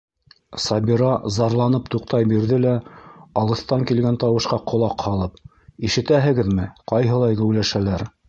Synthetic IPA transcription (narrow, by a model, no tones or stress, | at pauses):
sɑbiɾɑzɑɾlˠɑnɤpt̪uqt̪ɑjbiɾðɘlæɑlˠɤ̆θt̪ɑŋkilɡænt̪ɑwɤ̆ʃqɑqŏlˠɑqhɑlˠɤp̚ | iʃɘ̆t̪æɦɘ̆ɡɘðmɘqɑjɦɤ̆lˠɑjɡæwlæʃælæɾ